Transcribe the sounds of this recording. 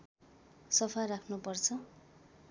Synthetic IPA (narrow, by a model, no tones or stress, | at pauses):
sʌpʰarakʰnupʌrt͡sʰʌ